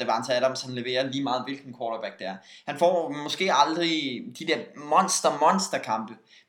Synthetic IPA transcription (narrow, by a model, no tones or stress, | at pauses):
eʋɑnsəæɾ̥ɑmshænle̝ʋe̝̰ːɐliːmɑ̈ːð̞̩ˠʋe̝lɡ̥n̩kʰwɒːɾ̥ɐb̥æɡ̥̚d̥ææɐhænfɒ̰ːmɒ̽sɡ̥e̝̰ːɑ̈ld̥ʁid̥id̥eɐmɒ̽nsd̥ɐmɒ̽nsd̥ɐkʰɑ̈mb̥ə